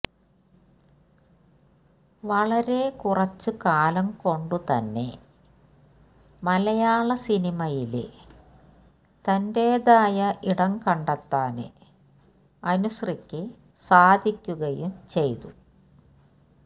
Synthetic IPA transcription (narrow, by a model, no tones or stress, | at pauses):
ʋɐɭɐɾe̞kurɐt͡ɕːɨkaːlɐmko̞ɳɖut̪ɐnːe̞̰ | mɐlɐjaːɭɐsinimɐjil | t̪ɐnde̞ːðaːjɐʔiɽɐŋkɐɳɖɐt̪ːaːnɨ̰ | ɐnusɐrikʲːɨ | saːd̪ʱikʲːuɣɐjumt͡ɕe̞jt̪u